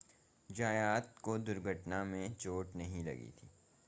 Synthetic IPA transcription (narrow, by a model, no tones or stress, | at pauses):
d͡ʒaːjaːt̪kod̪ʊɾɡʱəʈnamẽt͡ʃoːʈnɐɦĩlɐ̰ɡḭt̪ʰiː